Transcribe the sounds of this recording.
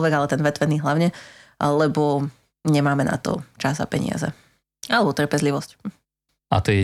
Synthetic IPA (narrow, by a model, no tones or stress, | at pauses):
lʋɛɡalɛt̪ɛnʋɛt̪ʋɛniːɦlaʊɲɛlɛbɔ | ɲɛmaːmɛna̰t̪ɔ̰t͡ʃaza̰pɛ̰ɲɪ̰a̰zɛ̰ | alɛbɔt̪r̩pɛzliʋɔsc | a̰t̪ɔjɛ